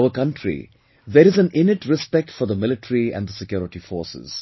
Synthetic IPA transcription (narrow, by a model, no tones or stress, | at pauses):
əkʌ̃ɳʈʰɾḭ | d̪eɾɪzæ̃nɪnɪʈɾɪspɛk̚ʈfɔɾd̪əmɪlɪʈəɾiæ̰̃nd̪əsɪkjɔːɾɪʈifɔːɾsɪ̰z̥